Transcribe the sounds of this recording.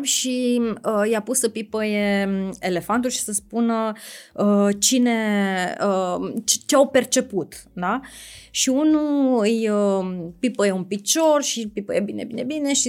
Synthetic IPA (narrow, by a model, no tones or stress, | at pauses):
ʃiəjapusəpipəjeele̞fant̪ulʃi̥səspunəət͡ʃine̞ət͡ʃt͡ʃeawpe̞rt͡ʃe̞put̪d̪aʃiunuɨj | pipəjeunpit͡ʃo̞rʃipipəjebine̞̰bine̞̰bine̞ʃi